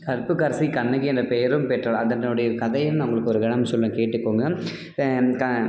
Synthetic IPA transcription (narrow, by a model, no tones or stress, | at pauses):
kɐɾpːɯkːɐɾsikɐnːɐɣiɛndɐpeːɐɾɯmpɛʈrɐɭɐðɐnɯɽɐjɐkɐðɐjɯmnɐʊŋɡɐɭɯkːɯɔɾɯɡɛɳɐmsɔlːɐ̃keːʈːɯkːoːŋɡɐ | kɐ